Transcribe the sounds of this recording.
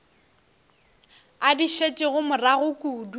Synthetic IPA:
adiʃet͡ʃʼɪɣʊmʊraɣʊkʼuːdu

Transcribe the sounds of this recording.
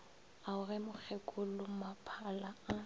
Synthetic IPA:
aʊrɛmʊk͡xʰɛkʼʊlʊmapʰalaa

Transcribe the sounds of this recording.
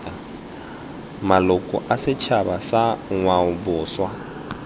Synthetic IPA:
malʊkʼɔ̰ʔasɪt͡ʃʰabasaŋwaʊbʊːswa

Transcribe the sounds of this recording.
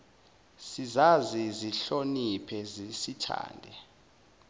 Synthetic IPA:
sizaziziɬonipʰɛzisitʰa̰ːndʱɛ

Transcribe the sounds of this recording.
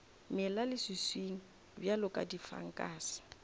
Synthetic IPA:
mɪlalɪsisweŋ̩ | bjalʊkʼa̰difa̰ŋ̩kʼaːsɪ̥

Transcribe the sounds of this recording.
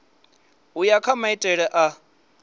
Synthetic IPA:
ujakʰamaitʼɛɺɛʔa

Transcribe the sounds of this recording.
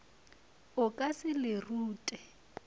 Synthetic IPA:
ʊkʼasɪlɪruːtʼɛ

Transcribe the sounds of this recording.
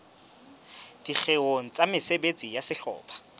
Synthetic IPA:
d̥ik͡xʰeoŋ̩t͡sʼamɪsebet͡sʼijasɪɬɔ̰ːpʰḁ

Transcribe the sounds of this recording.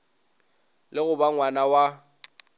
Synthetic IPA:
lɪɣʊbaŋwanawa

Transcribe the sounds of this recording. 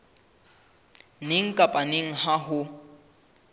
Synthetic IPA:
nɪŋ̩kʼapʼaneŋ̩ɦaɦʊ

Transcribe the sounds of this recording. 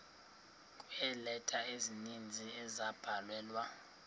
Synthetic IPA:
kʼwɛlɛtʼaezinind͡zʱiɛzab̥ʱalwɛːlwa

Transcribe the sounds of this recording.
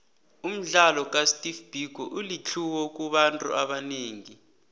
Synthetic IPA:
um̩ɮalɔk̬ʼastʼifb̥ʱiɡʱɔʔulit͡ɬʰuwɔk̬ʼuɓantʼṵʔaɓaneːŋi

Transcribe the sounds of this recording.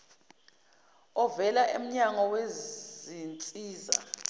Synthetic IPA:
ɔvɛlaʔḛm̩ɲaŋɔwezint͡sʼiːza̰

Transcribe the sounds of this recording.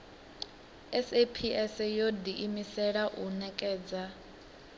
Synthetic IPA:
ɛsepʰiʔɛsɛjodiʔimisɛɺaʔunɛkʼɛːd͡za

